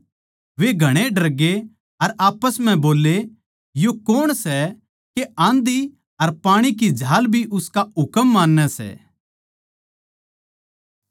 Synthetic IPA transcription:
ʋeɡʱɐɽ̃eɖɐɾɡe | ɐɾaːpəsm̤ɛ̃boːle | jokoːɽ̃sɛ | keãːnd̪i | ɐɾpaːɽ̃ik̬id͡ʒʱaːlbʱiʔʊskaʊkəmːaːnːɛsɛ̰ː

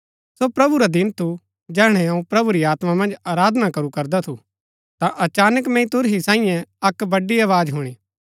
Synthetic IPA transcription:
sopɾɐbuɾad̪ɪnt̪ʰu | d͡ʒɛːɦɽ̃ɛ̃ɐũpɾɐbuɾiaːt̪mamɐ̃nd͡ʒaːɾaːd̪nakɐɾukɐɾd̪at̪ʰu | t̪ãʔɐt͡ʃaːnəkmɛ̃ĩt̪ʊɾɦisãːĩjɛ̃ɐkbɐɖiɐːʋaːd͡ʒɦʊɽ̃ĩː

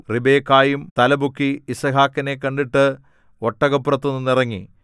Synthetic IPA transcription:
ribe̞ːkːaːjumt̪ɐlɐbukːiːsɐɦaːkːɐnek̬ːɐɳɖiʈːɨ | oʈːɐɣɐpːurɐt̪ːonːunːirɐŋːḭ

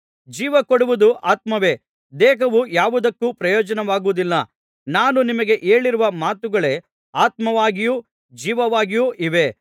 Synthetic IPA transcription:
d͡ʒiːʋɐkoɽuʋud̪uʔaːt̪mɐʋe̞ː | d̪eːɦɐʋujaːʋud̪ɐkːuːpɾɐjɔːd͡ʒɐnɐʋaːɡuʋud̪ilːɐ | naːnunimɐɡe̞ʔeːɭiɾuʋɐmaːt̪uɡɐɭe | aːt̪mɐʋaːɡiju | d͡ʒiːʋɐʋaːɡijuʔiʋe̞

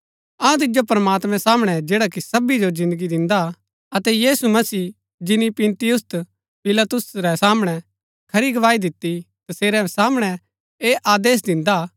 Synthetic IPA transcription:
ɐ̃t̪̬ɪd͡ʒopɐɾɐmaːt̪mɛ̃saːmɽ̃ɛd͡ʒeːɽakisɐbid͡ʒozɪ̃nd̪əɡid̪ɪ̃nd̪a | ɐt̪ɛjiːsumɐsiː | d͡ʒɪnipɪ̃nt̪ɪjʊst̪ | pɪlat̪ʊsɾɛsaːməɽ̃ɛ | kʰɐɾiɡɐʋaːid̪ɪt̪ːi | t̪ɐseːɾɛsaːmɽ̃ɛ | eːʔaːd̪eːs̬d̪ɪ̃nd̪a

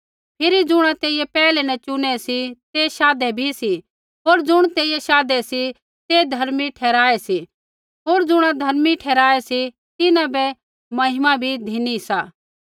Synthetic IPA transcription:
pʰɪɾid͡zʊɽ̃ãt̪eːɪjɛpɛːlɛnɐt͡ʃʊñɛsit̪eʃaːd̪ɛbʱisi | ɦoːɾd͡zʊɽ̃t̪eːɪjɛʃaːd̪ɛsi | t̪ed̪ʱɐɾmiʈʰɛːɾaːɛsi | ɦoːɾd͡zʊɽ̃ad̪ʱɐɾmiʈʰɛːɾaːɛsi | t̪ɪnãbɛ | mɐɦɪmabʱid̪ʱinisaː

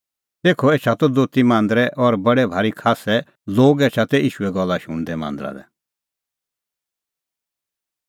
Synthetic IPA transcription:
t̪eːkʰɔeːt͡ʃʰat̪ɔd̪oːt̪imãːnd̪ɾɛʔɔɾbɐɽɛbʱaːɾikʰaːsɛ | loːɡeːt͡ʃʰat̪ɛiːʃuɛɡɔlːaʃʊɽ̃d̪ɛmã̰ːnd̪ɾa̰d̪ɛ̰

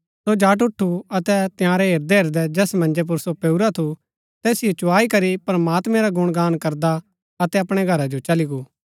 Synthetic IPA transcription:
sod͡ʒaːʈ̬ʊʈʰːuɐt̪ɛt̪ɪjãːɾɛɦeːɾd̪ɛɦeːɾd̪ɛd͡ʒɛːsmɐ̃nd͡ʒep̬ʊɾsopeuɾat̪ʰu | t̪ɛːsijot͡ʃʊaːikɐɾipɾɐmaːt̪mɛ̃ɾaɡʊɽ̃ɡaːnkɐɾd̪a | ɐt̪ɛɐpɽ̃ɛɡʱɐɾad͡ʒot͡ʃɐliɡuː

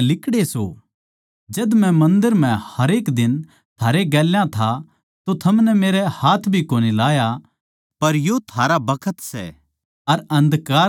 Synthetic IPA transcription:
lɪkɽeso̰ | d͡ʒɐd̪mɛ̃mɐ̃nd̪əɾm̤ɛ̃hɐɾeːkd̪ɪn | t̪ʰaːɾeɡɛːljãt̪ʰa | t̪ot̪ʰɐmnɛmeːɾɛhaːt̪ʰbʱikoːnilaːja | pɐɾjot̪ʰaːɾabɐkʰət̪sɛ̰ | ɐɾɐ̃nd̪kaː

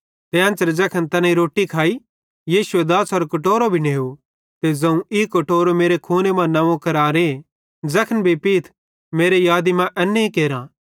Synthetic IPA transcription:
t̪eɐ̃nt͡ʃəɾd͡zɐkʰənt̪ɐnãiɾoːʈːikʰaːi | jiːʃued̪aːsɐɾkɐʈoːɾobʱineːu | t̪ezɐ̃ũikɐʈoːɾomeːɾekʰoːnemãnɐʋõkɐɾaːɾe | d͡zɐkʰənbʱipiːt̪ʰ | meːɾejaːd̪imãʔɛnːeikeːɾãː

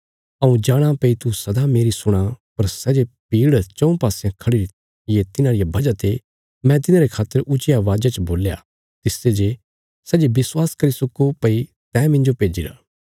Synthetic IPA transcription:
ɐũd͡ʒaːɽ̃apɐit̪usɐd̪ameːɾisʊɽ̃apɐɾsɛːd͡ʒepiːɽt͡ʃɐ̃ũpaːsɪjãkʰɐɽiɾ | jet̪ɪnãɽijabʱɐd͡ʒat̪e | mɛ̃t̪̬ɪnãːɾekʰaːt̪ːəɾʔʊt͡ʃɪjaʋaːd͡ʒat͡ʃəboːlja̰ | t̪ɪsed͡ʒe | sɛːd͡ʒebɪswaːskɐɾisʊkːopɐi | t̪ɛ̃ːmɪ̃nd͡ʒopeːd͡ʒiɾa̰ː

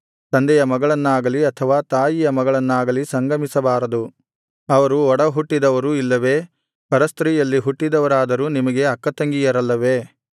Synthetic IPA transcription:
t̪ɐnd̪ɛjɐmɐɡɐɭɐnːaːɡɐliɐt̪ʰɐʋaːt̪aːjijɐmɐɡɐɭɐnːaːɡɐlisɐŋɡɐmisɐbaːɾɐd̪u | ɐʋɐɾuɔɽɐɦuʈːid̪ɐʋɐɾuilːɐʋe̞ː | pɐɾɐst̪ɾiːjɐlːiɦuʈːid̪ɐʋɐɾaːd̪ɐɾuːnimɐɡe̞ɐkːɐt̪ɐŋɡijɐɾɐlːɐʋe̞ː

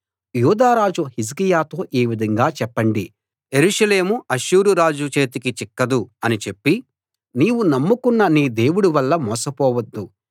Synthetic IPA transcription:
juːd̪aːɾaːd͡ʒuhis̬kijaːt̪o̞ːʔeːʋid̪ʱɐŋɡaːt͡ʃɛpːɐɳɖi | je̞ɾuʃɐle̞ːmuʔɐʃuːɾuɾaːd͡ʒut͡ʃe̞ːt̪ikit͡ʃikːɐd̪uɐnit͡ʃe̞pːi | niːwunɐmːukunːɐniːd̪e̞ːwuɽuʋɐlːɐmɔːsɐpɔːʋɐd̪ːu

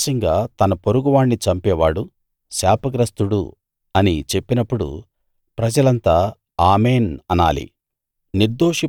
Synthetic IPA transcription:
ʃɐŋɡaːt̪ɐnɐpoɾuɡuʋaːɳːit͡ʃɐmpɛːʋaːɽu | saːpɐɡɾɐst̪uɽṵ | ɐnit͡ʃe̞pːinɐpːuɽṵ | pɾɐd͡ʒɐlɐnt̪aː | aːmeːnɐna̰ːlḭ | niɾd̪oːʂi

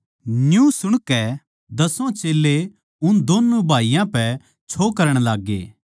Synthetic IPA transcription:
njũːsʊɽ̃kɛ | d̪ɐsõt͡ʃeːlːe | ʊnd̪oːnːubʱaːijãpɛ | t͡ʃʰoːkɐɾəɽ̃laːɡːḛː

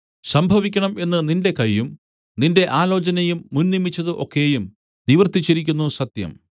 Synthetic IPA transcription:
sɐmbʱɐʋikʲːɐɳɐme̞nːɨninde̞kɐjːum | ninde̞ʔaːlo̞ːt͡ɕɐnɐjumːunnimːit͡ɕːɐðɨʔo̞̰kːejum | niʋɐrt̪it͡ɕːiɾikʲːunːusɐt̪jɐ̰m

